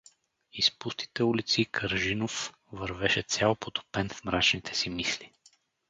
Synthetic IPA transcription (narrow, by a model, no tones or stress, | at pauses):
ispust̪i̥t̪ɛulit̪sikʰəɾʒinof | vəɾvɛʃɛt̪sʲjalˠpot̪o̥pɛnfmɾat͡ʃnit̪ʰɛ̥simisli